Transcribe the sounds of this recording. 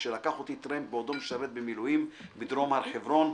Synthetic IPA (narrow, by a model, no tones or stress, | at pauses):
ʃelakaχot̪it̪ɾend̪̚beod̪omeʃaɾet̪̚bemilujimbid̪ɾo̞maɾħevɾo̞n